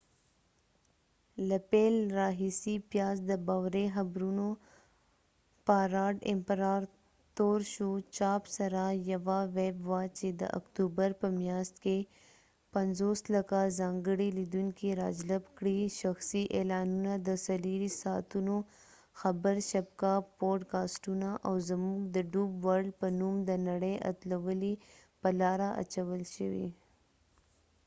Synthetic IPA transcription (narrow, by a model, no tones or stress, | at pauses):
lɐpeːlɾaːɦisipjaːzd̪əbaːʋɾeɦɐbɾuno | paːɾaːɖɪ̰mpɾaːɾ | t̪oːɾʃut͡ʃaːpsɐɾajɐʋaʋeːbʋat͡ʃed̪ə̰ʔɐ̰kt̪uːbəɾpəmjaːst̪ke | pɐnzoːslɐkazɑŋɡəɽilid̪uŋkiɾɑ̰d͡ʒləbkɽiʃaxsiʔelɑnunad̪əsaliɾisɑt̪uno | xabəɾʃab̚kaboɾʈkɑsʈunaʔawzamuɡd̪əɖubwaɾɖpənumd̪ənaɽejʔa̰t̪lawəli | pəlɑɾaʔa̰t͡ʃawəlʃəwḭ